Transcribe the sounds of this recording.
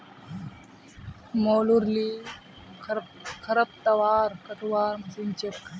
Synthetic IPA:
moːluɾliː | kʰɐɾəp̚t̪ɐʋaːɾkɐʈ̪ʰʋaːɾmsunt͡ʃek

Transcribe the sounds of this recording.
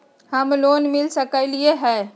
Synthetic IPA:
həmloːnmɪlsəkəlieɦɛː

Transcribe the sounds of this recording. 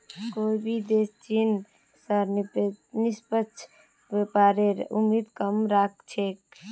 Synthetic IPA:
koːibʱid̪eːst͡ʃin | səɾnispətːt͡ʃʰ | ʋepaːɾeɾṵmiːd̪kəmɾak̚t͡ʃʰeːk

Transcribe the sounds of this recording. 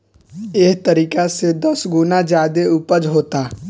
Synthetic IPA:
eɦt̪əɾiːkased̪əsɡʊnad͡ʒaːd̪eupəd͡ʒɦoːt̪aː

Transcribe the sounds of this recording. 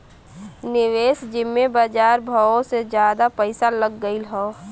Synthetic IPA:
nɪʋeːsd͡ʒɪmːebad͡ʒaːɾbʱaõsed͡ʒjaːd̪apəɪsaləɡːəilɦɔː

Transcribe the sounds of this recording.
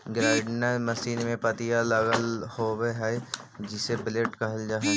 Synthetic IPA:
ɡɾaːɖnamɐʃiːnmẽpɐt̪ijalɐɡəlhoweɦɛd͡ʒɪsebɪleːʈkɐɦəld͡ʒaːɦɛ

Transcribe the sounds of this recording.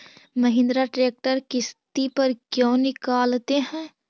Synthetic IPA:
mɐɦɪ̃nd̪ɾaʈɾeːk̚ʈəɾkɪst̪ipɐɾkjõːnɪkaːlt̪eɦɛ̃ː

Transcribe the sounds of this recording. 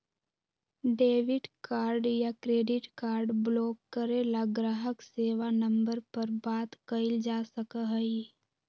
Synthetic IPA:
ɖeːʋɪɖkaːɾɖjakɾeːɖɪʈkaːɾɖblɔːkːəɾelaɡɾaːɦəkseːʋanɐ̃mbəɾpɐɾbaːt̪kɐɪld͡ʒaːsəkəɦəi

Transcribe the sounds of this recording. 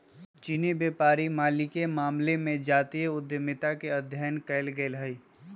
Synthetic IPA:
t͡ʃinibjeːpaːɾimaːlikemaːmlemẽd͡ʒaːt̪ieʊd̪jəmɪt̪akeəd̪ʱjəjənkɐɪlɡəɪlɦɛi

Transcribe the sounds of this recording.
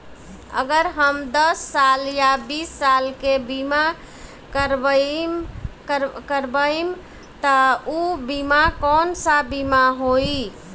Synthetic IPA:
ə̰ɡəɾɦəmd̪əsːaljabisːalkebima | kəɾbm | kəɾbəim | t̪əubimakɔnsabimaɦoi

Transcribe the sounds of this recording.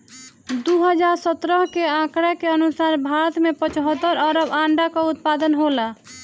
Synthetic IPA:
d̪uɦəd͡ʒaɾsət̪ɾəɦkeãkɾakeənusaɾbʱaɾət̪mepə̃t͡ʃɦət̪ːəɾəɾəbãɳɖakɔut̪̚pad̪ənɦola

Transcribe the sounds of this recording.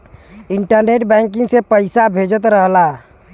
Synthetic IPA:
ɪ̃ɳʈəɾneːʈbɛ̃ːŋk̬ɪ̃ŋɡsepəɪsabʱeːd͡ʒət̪ɾəɦla

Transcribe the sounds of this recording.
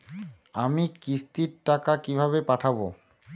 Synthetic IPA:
amikist̪iɾʈakakibʱaβepaʈʰabo̰

